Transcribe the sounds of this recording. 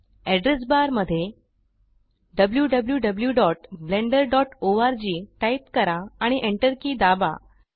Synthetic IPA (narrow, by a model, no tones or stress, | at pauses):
ɛɖɾes̬baɾməd̪ʱːje | ɖəbljuːɖəbljuːɖəbljuɖɔʈbleɳɖəɾɖɔʈoaɾd͡ʑiːʈaipkəɾaːɽ̃iʔeɳʈəɾkiːd̪aba̰